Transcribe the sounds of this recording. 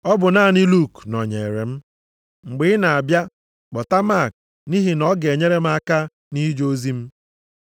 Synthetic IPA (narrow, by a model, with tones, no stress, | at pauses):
ɔ˦bʊ˨na˦˨ni˦lu˦˨knɔ˨ɲe˨ɾḛ˨m̩˦ | ŋ͡m̩˨ɡ͡bɪ˨˦na˨a˨bja˦ | k͡pɔ˨ta˦ma˦˨k̚ | ni˦ɦi˨nɔ˦ɡe˨ɲe˦ɾe˦m̩˦a˦ka˦ | ni˦d͡ʒo˦zi˦m̩˦